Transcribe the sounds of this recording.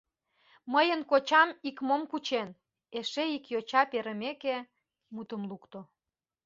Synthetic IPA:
məjənkot͡ɕɑmikmomkut͡ɕen | eʃeikjot͡ɕɑpeɾə̆meke | mut̪əmlukt̪o

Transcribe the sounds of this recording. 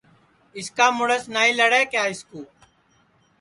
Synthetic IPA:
ɪskaːmʊɽəsnaːiːləɽeːkjaːɪskuː

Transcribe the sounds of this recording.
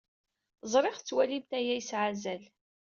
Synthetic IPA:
zˤɾˤeχt͡sːwælimt̪æjæjsʕazæl

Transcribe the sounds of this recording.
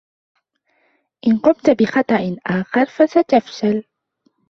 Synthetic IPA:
ʔɪnqʊmt̪abɪxɑt̪ˤɑʔɪnʔaːxɑɾˤfasat̪afʃal

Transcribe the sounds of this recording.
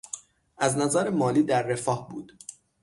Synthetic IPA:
ʔæznæzæɾemɒːliːd̪æɾːe̞fɒːhbuːd̪̥

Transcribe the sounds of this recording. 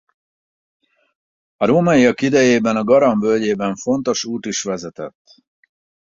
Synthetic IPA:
ɒɾoːmɒiɒkid̪ɛjeːbɛnɒɡɒɾɒɱvølɟeːbɛɱfo̞n̪t̪o̞ʃuːt̪iʃʋɛzɛt̪ɛ̰t̪ː

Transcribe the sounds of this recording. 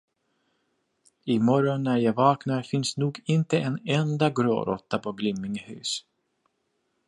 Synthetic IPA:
ɪmɔɾɔnːæɾjɑːvɑːknaɾfɪnsnuːɡɪnt̪əʔɛnɛnd̪aɡɾo̰ːɾɔ̰t̪ːapʰɔɡlʏmːɪŋhʉ̰ːs

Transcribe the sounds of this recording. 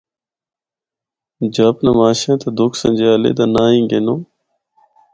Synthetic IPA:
d͡ʒaːpnamaːʃãːt̪ad̪ʊkʰsə̰̃nʲd͡ʒaːlḛːd̪aːnãːĩːɡeːnõː

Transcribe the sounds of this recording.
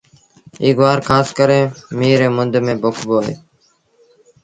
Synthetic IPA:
iːɡʋaːɾkʰaːskəɾẽːmiːɾeːmʊnd̪mẽːbʊkʰboːɦḛː

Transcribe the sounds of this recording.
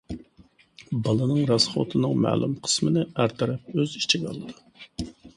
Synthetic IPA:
bɑlˠɨnɨŋɾɑsχo̰t̪ʰɨnɨŋmæ̰ːlˠṵmqʰə̥smɪnɪæɾt̪ʰɛɾɛp̚øzit͡ʃʰiɡʲɑ̰lˠːɨd̪u

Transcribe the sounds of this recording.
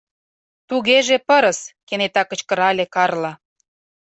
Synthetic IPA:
t̪uɣeʒepɤ̆ɾə̆skenet̪ɑkə̆t͡ɕkə̆ɾɑlʲekɑrlɑ

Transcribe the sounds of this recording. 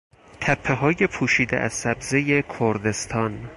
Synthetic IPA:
t̪ʰæpʰːeɦɒːje̞pʰuːʃiːd̪ḛʔæz̥sæbze̞jekʰoɾd̪e̞st̪ʰɒːn

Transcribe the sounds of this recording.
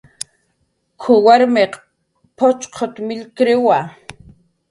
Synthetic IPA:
kʰʊwaɾmeq | pʰot͡ʃqʰot̪mɪlkɾɪwa

